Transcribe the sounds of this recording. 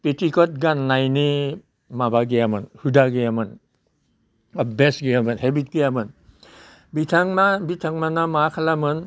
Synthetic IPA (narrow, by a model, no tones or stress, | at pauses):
petʰikɔt̚ɡanːajni | mabaɡejamɯnhɯdaɡejamɯn | abesɡejamɯnɦebit̚ɡɯjamɯn | bitʰaŋmabitʰaŋmanamakʰalamɯn